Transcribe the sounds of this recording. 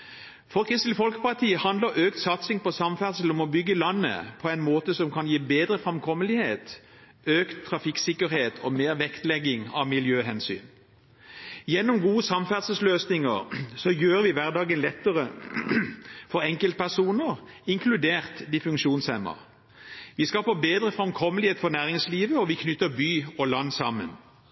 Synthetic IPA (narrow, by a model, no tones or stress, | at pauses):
fɔʁkʰʁɪst̪lɪfɔlkəpɑʁt̪ʰiːəhɑnd̪əʁʔøːkt̪sɑt̪sɪŋpɔsɑmfæʁd̪səl̩ɔmɔbʏɡːəlɑnːə̰pʰɔæɪnmoːt̪əsɔmkʰɑnjiːbeːd̪ʁəfʁɛmkʰɔmːəlɪheːt̪ | øːkt̪ʰːʁɑfɪksɪkəʁheːt̪ʰɔmeːʁʋɛkt̪lɛɡɪŋɑʋmɪljøːɦɛnsy̰ːn | jɛnːɔmɡuːəsɑmfæʁd̪səsløːsnɪŋəʁsɔjøːɾəʋɪʋæʁd̪ɑːɡənlɛt̪ːəʁə | fɔɾɛŋkəlt̪̚pʰæʁsuːnəʁ | ɪŋkʰlʉd̪eːʁt̪d̪ɪfʉŋkʃuːnshɛmə̰ʁ | ʋɪskɑpəbeːd̪ʁəfʁɑmkʰɔmːəlɪheːt̪fɔʁnæːʁɪŋsliːʋəɔʋɪkʰnʏt̪ːəbyːɔlɑnːsɑmːə̰n